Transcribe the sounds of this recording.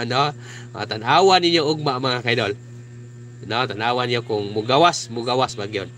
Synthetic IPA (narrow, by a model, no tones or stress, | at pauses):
no | ma̰a̰t̪anawaninjoʊɡ̚maʔmaŋakajdol | not̪anawaniɲjokʊŋmʊɡawasmʊɡawasbaɡijon